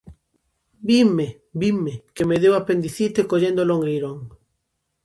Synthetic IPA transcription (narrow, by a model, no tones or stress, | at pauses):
bime | bimekemeðewapend̪iθit̪ekoʎend̪oloŋɡejɾoŋ